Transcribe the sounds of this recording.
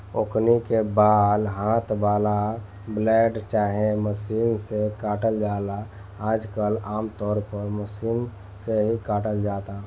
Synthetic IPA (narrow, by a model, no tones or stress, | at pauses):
okʰnikebaːd̪ɦãːt̪ʰbaːla | blɛːɖt͡ʃaːɦẽməsiːnsekaːʈəld͡ʒaːla | aːd͡ʒkəlaːmt̪ɔːɾpəɾməsiːn | seɦikaːʈəld͡ʒaːt̪a